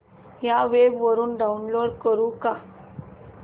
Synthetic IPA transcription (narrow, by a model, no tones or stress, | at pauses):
jaʋebʋəɾuːnɖaunloɖkəɾuːka